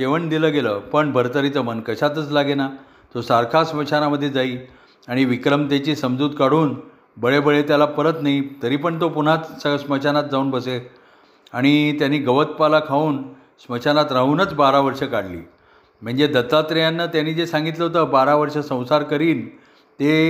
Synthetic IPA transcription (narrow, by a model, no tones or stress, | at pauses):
eʋəɳd̪iləːɡeləːpəɳbʱəɾt̪əɾit͡səmənkəɕat̪ət͡slaɡena | t̪osaɾkʰasməɕʰanaməd̪ʱːjed͡zaiː | aɽ̃iʋikɾəmt̪at͡ɕiːsəmd͡zuːd̪kaɽuːn | bəɭebəɭet̪jalapəɾət̪nait̪əɾiːpəɳt̪opun̤at͡ssəsmət͡ɕʰanat̪̚d͡zauːnbəse | aɽ̃it̪janiːɡəʋət̪̚palakʰauːn | smət͡ɕʰanat̪ɾaɦuːnət͡sbaɾaʋəɾʂəkaɽlḭː | m̤əɳd͡zed̪ət̪ːat̪ɾjanːət̪janiːd͡zesãŋɡit̪ləɦot̪əbaɾaʋəɾʂəsə̃w̃saɾkəɾiːn | t̪e